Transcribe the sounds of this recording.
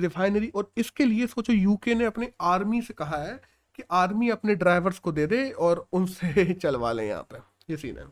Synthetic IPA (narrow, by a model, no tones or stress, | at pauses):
dɪfʰaːɪneɾiʔɔːɾɪskeliesoːt͡ʃojuːkeneɐpneaːɾmisekɐɦaɦɛː | keʔaːɾmiɐpneɖɾaːɪʋəɾzkod̪eːd̪ẽɔːɾʊnset͡ʃɐlʋa̰ːlḛ̃j̰ɦã̰ːpẽ | jesḭːnḛ̃ː